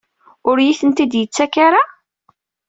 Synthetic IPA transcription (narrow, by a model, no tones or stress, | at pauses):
ʊɾjiθənt̪id̪jət͡sːækaɾa